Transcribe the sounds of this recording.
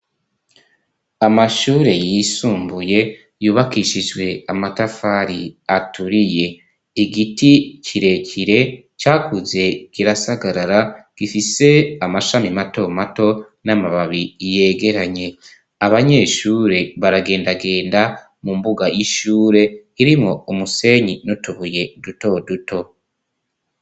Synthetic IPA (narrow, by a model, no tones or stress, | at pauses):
amaʃuːɾe̞jisuːmbuje̞ | juːβakiʃid͡ʒwe̞amatafaɾiatuɾije̞ | iɡiticiɾe̞cʰiɾe̞ | t͡ʃaːkʰuze̞kiɾasaɡaɾaɾaɡ̥ifise̞amaʃamimato̞mato̞ | namaβaβije̞ːɡe̞ɾaɲe̞ | aβaɲe̞ːʃuːɾe̞βaɾaɡe̞ːndaɡe̞ːnda | mumbuɡajiʃuːɾe̞iɾimŋo̞umuse̞ɲinutuβuje̞duto̞duto̞